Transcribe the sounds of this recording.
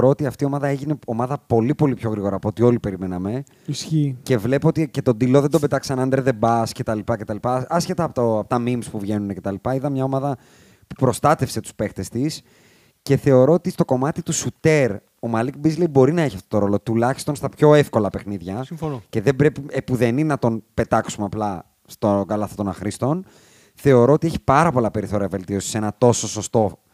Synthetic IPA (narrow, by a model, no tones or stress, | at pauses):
ɾo̞ot̪iɐft̪io̞mɐðɐe̞ʝine̞o̞mɐðɐpo̞lipo̞lipço̞ɣɾiɣo̞ɾɐːpoot̪io̞lipe̞ɾime̞nɐme̞ | sçice̞vle̞poot̪ice̞t̪o̞d̪ilo̞ðend̪o̞be̞t̪ɐksɐnɐnd̪ɾeðe̞bɐsce̞t̪ɐlipɐce̞t̪ɐlipɐɐsce̞t̪ɐːpot̪oɐpot̪ɐmimspuvʝe̞nune̞ce̞t̪ɐlipɐiðɐmɲɐo̞mɐðɐ | pu̥pɾo̞st̪ɐt̪e̞fse̞t̪u̥spe̞xt̪e̞st̪is | ce̞θe̞o̞ɾo̞ot̪ist̪o̞ko̞mɐt̪it̪usut̪e̞ɾ | o̞mɐlik̚bizleibo̞ɾinɐeçiɐft̪ot̪o̞ɾo̞lo̞t̪ulɐçi̥st̪o̞nst̪ɐpço̞efko̞lɐpe̞xniðʝɐsce̞ðe̞bɾepiepuðeninɐt̪o̞npe̞t̪ɐksumeɐplɐ | st̪oɡɐlɐθɐt̪o̞nɐxɾist̪o̞n | θe̞o̞ɾoot̪ieçi̥pɐɾɐpo̞lɐpe̞ɾiθo̞ɾiɐve̞lt̪io̞si̥se̞nɐt̪o̞so̞so̞st̪o̞